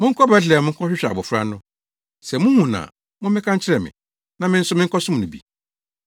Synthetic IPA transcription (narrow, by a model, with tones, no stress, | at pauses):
mʊ̃˦ŋ̩˦kʰɔ˦bɛ˦ɬ̬ɪ˨ɛ˨mʊ̃˦ŋ̩˦kʰɔ˦ɕᶣɪ˦ɕᶣa̰˨bɔ˨fɾa̰˦nʊ̃˦ | sɛ˨mʊ̃˦hũ˨nã̰˨ | mʊ̃˦mɪ̃˦kʰã˦ɲ˦t͡ɕʰɪ˦ɾɛ˨mɪ̰̃˨ | nã˨mɪ̃˦n̩˦sʊ˦mɪ̃˦ŋ̩˦kʰɔ˦sʊ̃˦m̃˨nʊ̃˨bḭ˨